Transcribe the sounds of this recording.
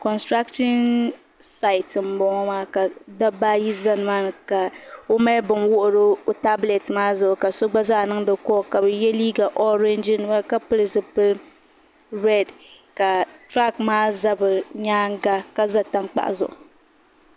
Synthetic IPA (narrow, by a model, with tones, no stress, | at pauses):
kɔ˨nstɾa˦kʃɔ˦n | sa˦ɪ˨tɨ˨m̩˨bɔ˨ŋɔ˦maː˦ka˨da˦baː˦ji˦za˦nɨ˨maː˦nɨ˨ka˨o˦ma˦bɨ˨nwʊ˦ʔʊ˨ɾɨ˦o˨ta˦ble˨tmaː˦zʊ˦˨ʔʊ˨ka˨so˦ɡ͡ba˦zaː˦˨nɨ˦ŋ˦dɨ˦kɔ˦˨ka˨bɨ˨jɛ˦liː˦ɡa˨ʔɔ˦ɾɛ˦nd͡ʒɪ˦n˦ma˦ka˦pɨ˦lɨ˨sɨ˨pɨ˦l | ɾɛ˦˨d | ka˨tɾa˦kmaː˦za˦bɨ˨ɲaː˦ŋ˦ɡa˦ka˦za˦ta˦ŋk͡pa̰˨ʔa̰˨zʊ̰˨ʔʊ˨